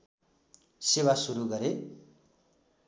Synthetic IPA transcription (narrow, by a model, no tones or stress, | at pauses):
sewasuɾuɡʌɾe